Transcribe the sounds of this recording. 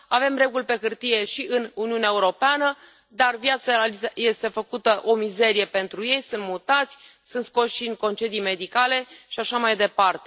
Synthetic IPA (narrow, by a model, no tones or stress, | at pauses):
ave̞mre̞ɡulʲpe̞kɨrt̪ije̞ʃiʔɨnuniuneaeuɾo̞peanə | d̪arvjat̪saaje̞st̪e̞fəkut̪əʔo̞mize̞ɾije̞pe̞nt̪ɾuje̞jsunt̪̚mut̪at̪sʲ | sɨnt̪sko̞ʃʃiŋko̞nt͡ʃe̞d̪ijme̞d̪ikale̞ʃiaʃamajd̪e̞part̪e